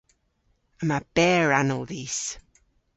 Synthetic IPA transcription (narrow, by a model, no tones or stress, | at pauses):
əmab̥ɛːɹanəlˠðiːs